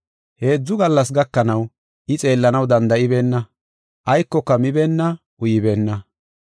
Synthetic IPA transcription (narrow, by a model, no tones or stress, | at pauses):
he̞ːd͡zːʊɡɐlːɐs̬ɡɐkːɐnɐw | ʔɪt͡sʼe̞ːlːɐnɐwd̪ɐnd̪ɐʔɪbe̞ːnːɐ | ʔɐjkːɔkːɐmɪbe̞ːnːɐ | ʔʊjɪbe̞ːnːɐ